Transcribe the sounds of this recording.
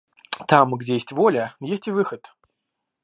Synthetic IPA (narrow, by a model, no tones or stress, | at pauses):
t̪amɡdʲejesʲtʲvolʲəjesʲtʲɪvɨxət̪